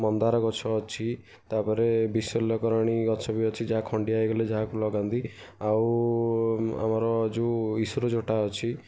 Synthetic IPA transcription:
mɔnd̪aɾɔɡɔt͡ʃʰɔːt͡ʃʰi | t̪apɔɾebisɔlɔkɔɾaɽ̃iɡɔt͡ʃʰɔbiɔt͡ʃʰid͡ʒaɦakʰɔɳɖiajɡɔled͡ʒaɦakulɔɡand̪i | aw | a̰mɔɾɔd͡ʒuisuɾɔd͡ʒoʈaɔt͡ʃʰi

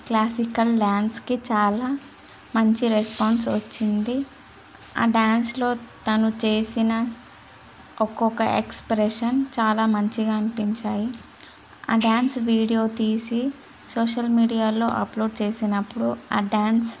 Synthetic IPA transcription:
klaːsikɐlɖaːnskit͡ʃaːlaː | mɐɲt͡ʃiɾespaːɳɖsʋɐt͡ʃːind̪i | a̰ːɖaːnslo̞ːt̪ɐnut͡ʃe̞ːsinɐ | ɔkɔkɐ̰ʔḛkspɾeʂɐnt͡ʃaːlaːmɐɲt͡ʃiɡaɐnipiɲt͡ʃaːji | a̰ːɖaːnsʋiːɽijo̞ːt̪iːsi | soːʂɐlmiːɖijaːlo̞ːʔɐ̰plo̞ːɖ̚t͡ʃe̞ːsinɐpːuɽua̰ːɖaːns

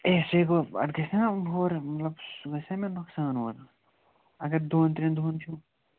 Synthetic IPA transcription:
eseːɡoɐ̰ʈɡɐseɦoːɾmɐt̪lɐbsuɡɐsemenoksaːnoːɾ | ɐɡɐɾd̪ʱoːnt̪ɾĩnd̪ʱuːnt̪ʰjũ

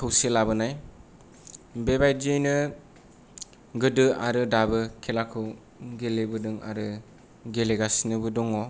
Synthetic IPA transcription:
kʰɯwselabɯnaj | bebajd͡ʒɯjnɯ | ɡɯdɯaɾɯdabɯkʰelakʰɯw | ɡelebɯdɯŋa̰ɾɯ | ɡeleɡasnɯbɯdɔŋɔ

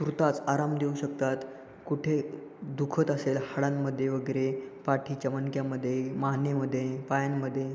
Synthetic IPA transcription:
sɾut̪at͡saɾamd̪euɕək̚t̪at̪ | kuʈʰe | d̪ukʰət̪əselhaɽamːəd̪ʱːjeʋəɡeɾepaʈʰit͡ɕəmənkjaməd̪ʱːjemaɦnjeməd̪ʱːjepajanməd̪ʱːje

